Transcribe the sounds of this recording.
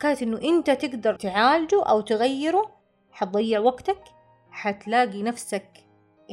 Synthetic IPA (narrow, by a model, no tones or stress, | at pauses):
kaːt̪ʔɪnːʊʔɪnt̪at̪ɪɡd̪ɑɾˤt̪ʕaːld͡ʒuʔa̰wt̪ɪɣajːɪɾu | ħɑt̪̚d̪ˤɑjːɪʕwaɡt̪ak | ħat̪laːɡinafsak